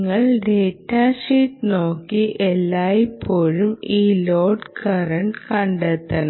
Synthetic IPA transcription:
ŋːɐɭɖeːʈːaːʂiːʈːno̞ːkːiʔelːaːjipʰːoːɻumiːloːɖkɐrɐɳʈkɐɳɖet̪ːɐn

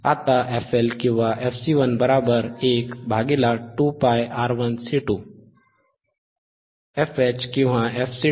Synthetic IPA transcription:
a̰t̪aʔefʰelkĩwʋãʔefʰsiʋənbəɾabəɾeːkbʱaːɡelaʈupajaːɾʋənsiʈu | efʰet͡ʃkĩwɦãefʰsi

